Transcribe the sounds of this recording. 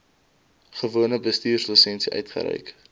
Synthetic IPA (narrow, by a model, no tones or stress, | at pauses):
χəvuənəbəstiːrslusɛnsiʔœɥtχə̰ɾɛ̰jk